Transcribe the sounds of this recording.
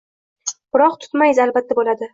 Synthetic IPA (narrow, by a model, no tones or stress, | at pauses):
b̥ɪɾɒqt̪ʰʊ̥t̪majɪzalbat̪ʰːabolad̪ɪ